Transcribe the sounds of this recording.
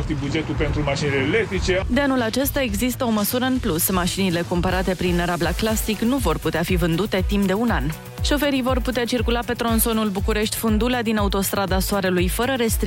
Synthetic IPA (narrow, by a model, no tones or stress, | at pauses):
t̪ibud͡ʒe̞t̪ulpe̞nt̪ɾumaʃinelelekt̪ɾit͡ʃe̞d̪eanulat͡ʃe̞st̪ae̞ɡzist̪əo̞məsuɾəɨnplusmaʃinile̞kompəɾat̪e̞pɾinɾablaklasiknuvo̞rput̪eafivɨnd̪ut̪e̞t̪impd̪e̞unan | ʃo̞fe̞ɾijvo̞rput̪eat͡ʃirkulape̞t̪ɾo̞nso̞nulbukuɾe̞ʃt̪ʲfund̪ulead̪inaut̪o̞st̪ɾad̪asoaɾelujfəɾəɾe̞st̪ɾ